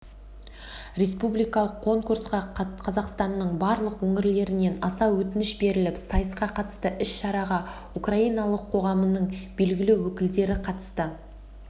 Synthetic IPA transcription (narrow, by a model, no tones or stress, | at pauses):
ɾʲe̞spublijkɑlˠəqʰːo̞ŋkursqɑqʰɑzɑqst̪ɑnːəɴbɑɾlˠəqwɵŋɪɾle̞ɾɪne̞nɑsɑwɵt̪ɪnɪʃbe̞ɾɪlɪpsɑjəsqɑqʰɑt̪ə̥st̪əʔɪʃʃɑɾɑʁɑ | ukraijnɑlˠəqʰːo̞ʁɑmənəɴbe̞lɡʲɪlɪwɵkʲɪld̪e̞ɾɪqʰɑt̪ə̥st̪ə